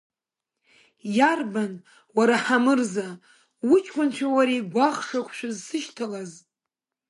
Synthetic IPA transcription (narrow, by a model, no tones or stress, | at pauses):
jarban | waɾaħamɨrza | wʊt͡ʃʼʰχʷʊnt͡ʃʷʰawaɾejɡʷaχʂakʷʰʃʷᶣazsɨʃtʰalaz